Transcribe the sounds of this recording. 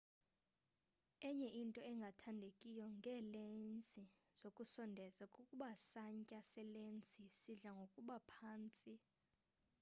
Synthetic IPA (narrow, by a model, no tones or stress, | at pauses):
ɛɲɛʔintʼɔɛŋɡʱatʰandʱekʼijɔŋɡʱɛːlent͡sʼiz̥okʼusɔndʱɛzakʼukʼuɓasaɲcʼasɛlent͡sʼisiɮaŋɡʱokʼuɓapʰaːnt͡sʼi